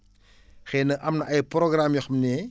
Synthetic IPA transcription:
xɛnɐʔɐmnɐʔɐjprɔɡramjɔxmnɛː

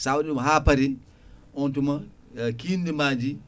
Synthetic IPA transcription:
sawɗimaɦapaɾi | ɔntuma | kindimaːd͡ʒi

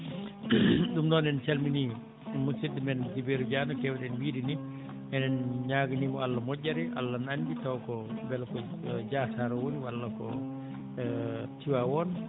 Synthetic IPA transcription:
ɗumdɔːnɛnsalmini | musidːimɛnd͡ʒibeɾud͡ʒaːnɔkɛwɗɛnwiːdini | ɛnɛnɲaːɡinimɔalːamɔɟːaɾɛʔa̰lːananbitawkɔbɛlkɔd͡ʒaːsaɾɔwoniwalːakɔ̰ | tiwawɔn

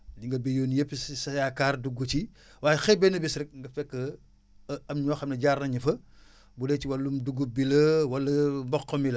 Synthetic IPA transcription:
diŋɡɐbejoːnjepːissɐjakaːrduɡut͡ʃi | waːjɛxɛbɛnɐbisɾɛk̚ŋɡɐfɛkːə | ɐmɲɔːxɐmnɐɟaːɾnɐɲɐfɐ | buleːt͡ʃiwɐlːumduɡubilɐwɐlɐmbɔqːɔmilɐ

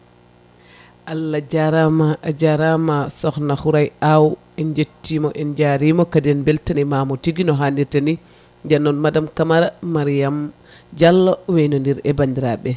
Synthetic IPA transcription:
ʔalːad͡ʒaɾamaʔad͡ʒaɾamasɔxnaxuɾajaw | ɛnd͡ʒetːimɔʔɛnd͡ʒaɾimɔkadɛnbɛltanimamɔtiɡinɔɦandiɾtani | d͡ʒanːɔnmadamkamaɾamaɾijam | d͡ʒalːɔwejnɔndiɾɛbaɲdiɾaɓɛ

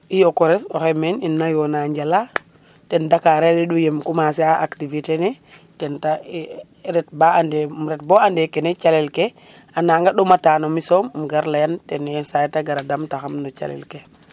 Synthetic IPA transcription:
ijokɔɾɛsɔxɛmeninːajonaɲɟala | tɛndakaɾelɛɗujemkumasiaʔa̰ktivitenɛ | tɛnta | ɾɛt̚baandemɾɛt̚boandekɛnet͡ʃalɛlke | anaŋɡaɗomataːnomisommɡaɾlajantɛnjensajtaɡaɾadamtaxamnot͡ʃa̰lɛ̰lke

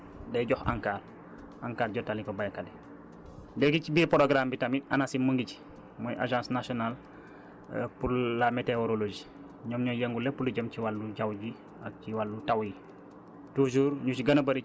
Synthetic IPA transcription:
dɛjɟɔxa̰ŋkaːɾ | ʔaŋkaːɾɟɔtalikɔbajakalɛ | dɛɡicibiːɾpɔɾoɡɾambitamia̰nasimuŋɡic | mɔjʔa̰ʒãːsnasɔnal | puɾlameteoɾolod͡ʒi | ɲɔːmɲɔjɛŋɡulɛpuluɟəmciwalːuɟawɟi | ak̚ciwalːutawji | tuʒuːɾɲut͡ʃiɡɐnɐbɐɾi

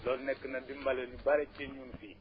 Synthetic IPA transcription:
lɔlnɛkːənɐdimbalenibaɾɛt͡ʃeɲunfi

